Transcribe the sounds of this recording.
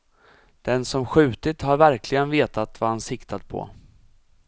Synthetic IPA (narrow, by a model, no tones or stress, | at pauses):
d̪̥ɛnsɔmɧʉ̟ːt̪ɪt̪haɾvæɾklɪɡənveːt̪at̪vahansɪkt̪ʰat̪̚pʰɔ̰